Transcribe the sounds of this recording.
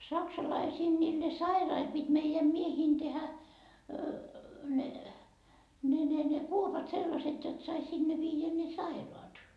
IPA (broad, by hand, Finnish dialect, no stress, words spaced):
sɑksɑlɑisiːn niːlːe sɑirɑil pitʲ meijæm mieheːn tehæ ne ne ne ne kuopɑt selːɑsetʲ jot sɑi sinːe ʋiːjæ ne sɑiroɑt